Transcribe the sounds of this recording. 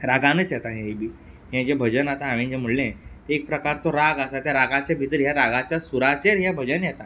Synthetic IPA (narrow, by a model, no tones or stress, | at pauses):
ɾaɡãnət͡sjɛt̪aɦẽibi | ɦẽd͡ʑebʱəd͡ʑənat̪aɦaʋĩnd͡ʑem̤əɽlẽt̪eek̚pɾəkaɾt͡sɔɾaɡasat̪jaɾaɡat͡ɕjabʱit̪əɾɦjaɾaɡat͡ɕjasuɾat͡ɕeɾɦjabʱəd͡ʑənjɛt̪a